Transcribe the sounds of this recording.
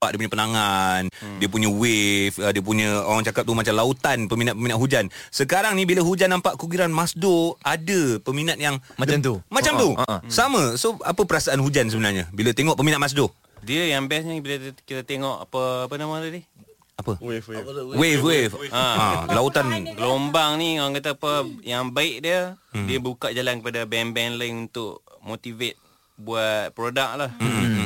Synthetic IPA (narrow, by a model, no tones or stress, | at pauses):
a̰ʔdiəp̬uɲəpənaŋandiəp̬uɲəwefədiəp̬uɲəoɾaŋt͡ʃakatp̚t̪umat͡ʃamlaut̪anpəminat̪̚pəminaʔ̪̚ɦud͡ʒansəkaɾaŋnibiləɦud͡ʒanːampaʔkuɡiɾanmasdoadəpəminat̪̚jaŋmat̪umat͡ʃamt̪usamə̃soapəpəɾasaʔanɦud͡ʒansəbənarɲəbilət̪eŋɔʔpəminat̪̚masdo | diəjaŋbɛsɲəbiləkit̪at̪eŋɔʔapəapənamatadɪh | apə | wewefaalaut̪anɡəlombaŋniaaŋkat̪̬apəjaŋbaɪʔdiədiəbəukaʔd͡ʒalankəpadabɛnbɛnlaŋunt̪ʊʔmot̪ivet̪̚ | buat̪̚pɾodak̚lah